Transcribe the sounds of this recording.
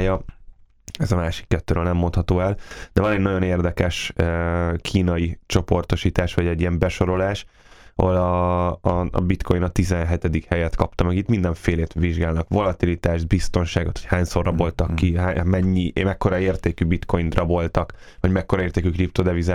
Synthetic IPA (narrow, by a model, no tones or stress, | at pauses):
jɒ | ɛzɒmaːʃi̥kːɛt̪ːøːɾøːlnɛmːo̞nt̪hɒt̪oːɛld̪̥ɛbɒlɛɲnɒɟo̞neːrd̪ɛkɛʃ | kʰiːnɒit͡ʃo̞po̞rt̪o̞ʃiːt̪aːʃʋɒɟɛɟːijɛmbɛʃo̞ɾo̞laːʃ | ɒ̰ɦolɒ̰ | bit̪kʰojinɒt̪izɛnɦɛt̪ɛd̪ikhɛjɛt̪kɒpt̪ɒmɛɡit̪mind̪ɛɱfeːleːt̪ʋiʒɡaːlnɒkʋo̞lɒt̪ilit̪aːʒd̪̚bist̪o̞nʃaːɡot̪ʰho̥chaːɲso̞rɒbo̞lt̪ɒkːiɦamɛɲːimɛkːo̞ɾɒeːrt̪eːkybit̪ko̞jind̪rɒbo̞lt̪ɒk | ʋɒɟmɛkːoɾɒeːrt̪eːkykrip̚t̪od̪ɛvizɛ